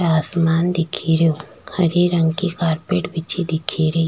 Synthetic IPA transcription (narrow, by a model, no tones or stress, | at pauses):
aːsmaːnd̪ɪkʰiɾjoː | hɐɾiɾɐ̃ŋɡkikaːɾpeːʈbɪt͡ʃid̪ɪkʰiɾɐi